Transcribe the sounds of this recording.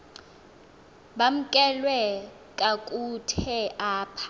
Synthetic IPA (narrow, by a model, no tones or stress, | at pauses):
bam̩kʼɛlwɛ | kʼakʼutʰɛʔaːpʰḁ